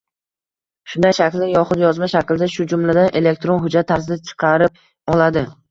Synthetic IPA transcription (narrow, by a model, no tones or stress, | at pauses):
ʃʊnd̪ajʃakʲlɪɪjɒχʊd̪jɒzmaʃakʲld̪aʃʊd͡ʒʊmlad̪anʔe̞le̞k̚ʲt̪ɾonɦʊd͡ʒat̪ʰːaɾsɪd̪at͡ʃʰɨ̥qʰɑɾɪp̚ | ɒlad̪ɪ